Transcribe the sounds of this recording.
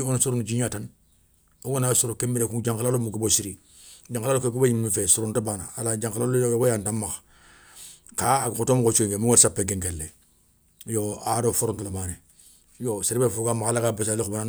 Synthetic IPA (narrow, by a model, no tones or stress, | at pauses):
onsuɾunud͡ʒiɲatan | oɡonasoɾokembiɾekũd͡ʒaŋkalalomukibosiɾi | d͡ʒãŋklaokek̬ubejimmifesuɾontabaːnaalad͡ʒãŋkalalojobajantamːax | kakotomkot͡ʃueŋɡemuwaɾsapːeɡẽŋɡelːe | joaɾofoɾõŋkelamaːne | joseɾibefokamakalakabesalikubana